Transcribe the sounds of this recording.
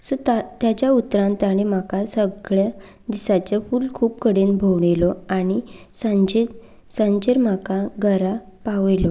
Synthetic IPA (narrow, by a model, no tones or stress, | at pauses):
sɔt̪at̪jat͡ɕjaut̪ːɾãnt̪aɽ̃em̤akasəɡɭja | d̪isat͡ɕafulkʰuːp̚kəɽenbʱowɳelɔaɽ̃isad͡ʑe | sãɲd͡ʑeɾm̤akaɡʱəɾa | paʋjlɔ